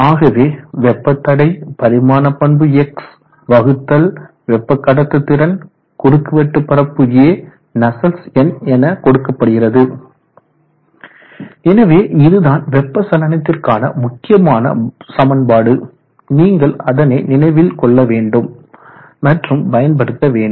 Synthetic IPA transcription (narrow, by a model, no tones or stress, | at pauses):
aːɣɐʋeːʋɛpːɐt̪ːɐɽɐɪpɐɾɪmaːnɐpːɐɳbɯɛks | ʋɐɣɯt̪ːɐl | ʋɛpːɐkːɐɽɐt̪ːɐt̪ːɪɾɐn | kʊɾɯkːɯʋɛʈːɯpːɐɾɐpːɯɣɪjeː | nɐsɐlsɛnɛnɐkɔɽɯkːɐpːɐɽɯɣɪrɐðɯ | ɛnɐʋeːʔɪðɯðaːnʋɛpːɐsɐlɐnɐt̪ːɪrkaːnɐ̰mʊkːɪjɐmaːnɐ̰sɐmɐnbaːɽɯ | niːŋɡɐɭɐðɐnɐɪnɪnɐɪʋɪlkɔɭːɐʋeːɳɖɯmː | ɐʈrɯmbɐjɐnp̬ɐɽɯt̪ːɐʋeːɳɖ